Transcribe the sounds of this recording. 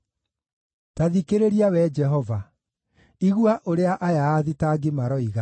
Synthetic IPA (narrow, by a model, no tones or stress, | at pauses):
taðikeɾeɾiawɛd͡ʒɛɦɔva | iɣwaʔoɾeaʔajaːðitaɡemaɾɔiɣa